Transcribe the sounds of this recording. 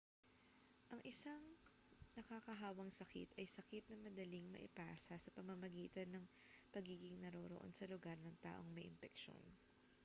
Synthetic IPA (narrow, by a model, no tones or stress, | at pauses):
ʔɐŋʔɪsaŋ | nɐkaːkɐɦaːwɐŋsɐkɪ̰t̪ɐjsɐkɪt̪̚nɐmɐd̪ɐliŋmɐ̰ʔɪ̰paːsɐsɐpɐmɐmɐɡiːt̪ɐnːɐŋ | pɐɡiːɡɪŋnɐɾoːɾoʔo̞̰nsɐlʊɡaɾnɐŋt̪a̰ːʔo̞ŋmɐjʔɪmpɛkʃo̞̰n